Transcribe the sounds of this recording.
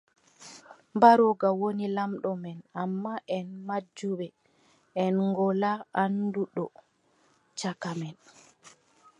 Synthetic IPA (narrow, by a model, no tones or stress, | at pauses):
mbaɾɔɡawonilamɗɔmɛnamːaʔɛnmad͡ʒuɓɛ | ɛnŋɡɔlaanduɗɔ | t͡ʃakamɛn